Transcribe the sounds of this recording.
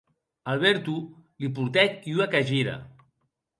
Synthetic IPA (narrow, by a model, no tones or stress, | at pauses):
alˠβɛɾt̪ulipuɾt̪ɛk̪uakaʒiɾa̰